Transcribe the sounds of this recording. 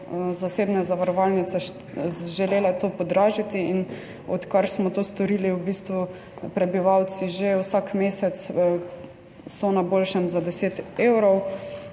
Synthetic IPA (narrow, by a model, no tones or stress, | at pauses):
zaseːbnɛzaʋaɾɔʋalnit̪sɛ | ʒɛleːlɛt̪oːpɔd̪ɾaːʒit̪iin | ɔ̰t̪kaɾsmɔt̪oːst̪ɔɾiːliwbiːst̪ʋu | pɾɛbiʋawt̪siʒewsakmeːsɛt̪s | sɔnabolʃɛmzad̪ɛseːt̪ewɾɔw